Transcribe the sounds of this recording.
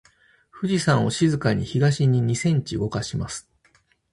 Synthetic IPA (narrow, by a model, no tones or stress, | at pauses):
ɸɯ̟ʑisãɰ̃o̞ɕizɨkaɲ̟ḭçid̪aɕiɲ̟iɲ̟isẽ̞ɲ̟t͡ɕiɡo̞kaɕimasɨ̥